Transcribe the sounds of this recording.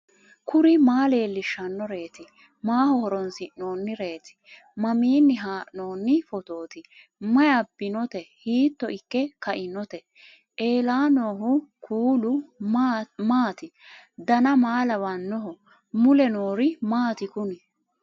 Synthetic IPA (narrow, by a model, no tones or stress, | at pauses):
kʰʊɾɪmaːle̞ːlːɪʃːɐnːɔɾe̞ːt̪ɪ | maːhɔhɔɾɔnsɪʔno̞ːnːɪɾe̞ːt̪ɪ̥ | mɐmiːnːɪɦaːʔnoːnːɪfɔt̪o̞ːt̪ɪ | mɐjɐbːɪnɔt̪ɛhiːt̪ːɔʔɪkːɛkɐʔɪnɔt̪ɛ | ʔe̞ːlaːno̞ːɦʊkʰuːlʊ | maːt̪ɪd̪ɐnɐmaːlɐwɐnːɔɦɔ | mʊlɛnoːɾɪmaːt̪ɪkʊnɪ